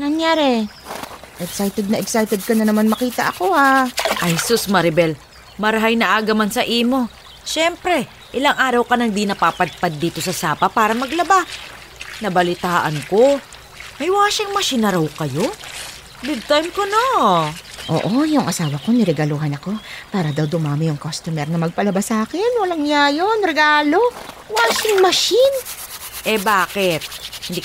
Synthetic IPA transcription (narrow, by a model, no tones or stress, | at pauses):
nɐŋjaːɾɛ | ʔɛɡsajt̪ɛd̪̚nɐʔɛɡsajt̪ɛd̪̚kɐnɐnɐmanmɐkiːt̪ɐʔɐko̞haʔɐjhsusmɐɾɪbɛl | mɐɾɦajnɐʔaːɡɐmansɐʔiːmo̞ | ʃɛmpɾɛ | ʔɪlaŋʔaːɾɐwkɐnɐŋd̪inɐpaːpɐd̪̚pad̪̚dːiːt̪o̞sɐsaːpɐpaːɾɐmɐɡlɐba | nɐbɐlɪt̪aːʔɐŋko̞ | mɐjwaːʃɐŋmɐʃinɐɾɐwkɐjo̞ | d̪ɪd̪̚t̪ajmkono | ʔo̰ːʔojʊŋʔɐsaːwɐko̞nɪɾɛɡɐluɦɐnɐko̞paːɾɐd̪ɐwd̪ʊmaːmɪjʊŋkost̪ʊmɛɾnɐmɐɡ̚pɐlɐbasaːkɛnwɐlaŋnjajo̞nɾɛɡaːlo̞waːsɪŋmɐʃɪn | ʔɛbaːkɪt̪̚hɪnd̪i